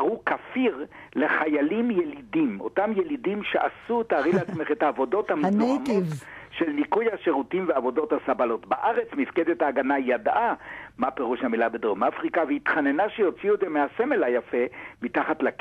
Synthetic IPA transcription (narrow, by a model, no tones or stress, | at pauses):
ʁukafiʁ | le̞χajalimjelidimo̞̰tamjelidimʃeʔasut̪aaʁileat͡sme̞χethaːvo̞do̞thamnoamotʃelnikujhaʃeʁutimveavo̞do̞thasabalo̞tbaʔaʁe̞t͡smifked̪ethaːɡanajad̪ʔamapeʁuʃhamilabed̪oʁmafʁikaveit̪χanenaʃejo̞t͡siued̪zemeasemelajafemitaχatlak